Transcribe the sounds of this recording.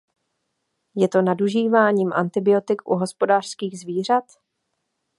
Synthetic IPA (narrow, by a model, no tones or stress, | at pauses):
jɛt̪o̞naduʒiːvaːɲiːmʔa̰nt̪ɪbɪo̞t̪ɪkʔṵɦo̞spo̞daːr̝̥skiːɣzviːr̝at̪